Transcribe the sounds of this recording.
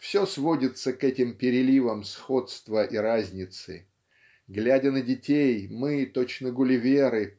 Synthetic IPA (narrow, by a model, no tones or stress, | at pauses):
fsʲosvo̞dʲɪt̪səkɛtʲɪmpʲɪɾʲɪlʲivəmsxo̞t̪st̪vəʔiɾazʲnʲɪt̪sɨ̰ | ɡlʲædʲənədʲɪtʲejmɨt̪ot͡ɕnəɡʊlʲɪvʲeɾɨ